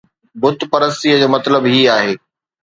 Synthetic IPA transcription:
bʊt̪pɐɾəst̪iːəd͡ʑoːmɐt̪ləbɦiaːɦeː

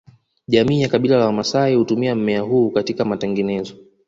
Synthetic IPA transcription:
ʄamiːjakaɓilalawamasaihutumiam̩mɛaɦhuːkatikamatɛŋɡɛnɛzɔ

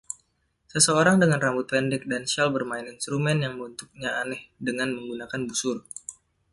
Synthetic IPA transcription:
səsəoɾaŋdəŋanrambut̪̚pɛndɛk̚dansɛlbərmaɪninst̪ɾumɛnjaŋməbunt̪uk̚ɲaanɛhdəŋanməŋɡunakanbusʊr

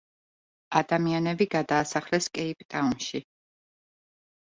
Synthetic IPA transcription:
ad̪amianɛbiɡad̪aːsaχlɛskʼɛipʼt̪ʼaunʃi

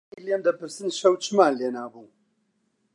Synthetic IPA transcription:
ileːmd̪ɐpɨɾsɨnʃɐwt͡ʃʰɨmaːnleːnaːbuː

